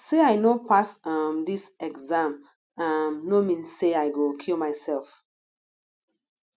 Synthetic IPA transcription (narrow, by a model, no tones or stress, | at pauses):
seaɪnopasʌmdisɛɡzãm | amnomĩnsseaɪɡokʰilmaɪsɛlˠf